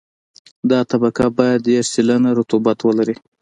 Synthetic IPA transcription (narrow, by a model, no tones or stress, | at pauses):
d̪ɑt̪abakabɑjad̪eɾsilanaɾʊt̪ubat̪wəlaɾi